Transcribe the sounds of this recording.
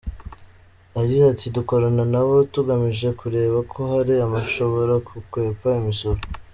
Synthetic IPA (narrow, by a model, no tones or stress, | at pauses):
aɟizatiduko̞ɾananaβo̞tuɡamiʒe̞kuɾe̞ːβakʰo̞ɦaɾiamaʃo̞βo̞ɾakukwe̞ːpaimisoɾo